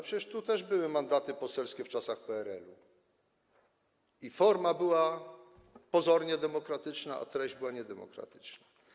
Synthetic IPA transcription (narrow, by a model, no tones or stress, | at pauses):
pʂɛt͡ɕɛʂt̪ut̪ɛʐbɘwɘmand̪at̪ɘpɔsɛlskʲɛft͡ʂasaxpɛɛɾɛ̰lu | ifɔɾmabɘwa | pɔzɔɾɲɛd̪ɛmɔkɾat̪ɘt͡ʂnaa̰t̪ɾɛʑd͡ʑbɘwaɲɛd̪ɛmɔ̰kɾa̰t̪ɘ̥t͡ʂna